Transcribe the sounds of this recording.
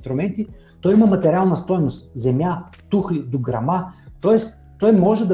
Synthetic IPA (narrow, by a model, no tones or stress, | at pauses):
t̪ɾʊmɛnt̪i | t̪ɔjimɐmɐt̪ɛɾʲalˠnəst̪ɔjnʊst̪zɛmja | t̪uxlid̪oɡɾɐ̰mat̪ɔɛs | t̪ɔjmɔʒɛd̪ɐ